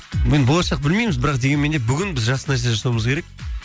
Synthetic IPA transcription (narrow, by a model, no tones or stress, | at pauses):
ɪnbo̞lˠɑʃɑq̚bɪlme̞jmɪzbɪɾɑqd̪eɡʲenme̞nd̪ebʏɡʲɪnbɪzʒɑsənɑjs̬eʒɑsɑwuməzkʲʰeɾe̞k̚